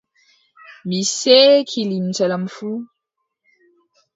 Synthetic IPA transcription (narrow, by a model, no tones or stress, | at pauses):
misekʰilim̩t͡ʃələmfu